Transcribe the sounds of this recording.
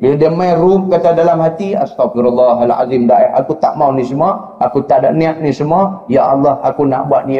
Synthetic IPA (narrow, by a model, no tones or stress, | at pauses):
ədəmajrumkat̪adalamhat̪iast̪awfiɾulːɑɦala̰zimdaʔɛhakut̪aʔmaunĩsəma | akut̪aʔdaʔniaʔ̚nisəmajaʔɑlːɑhakuna̰ʔbuaʔ̪̚ni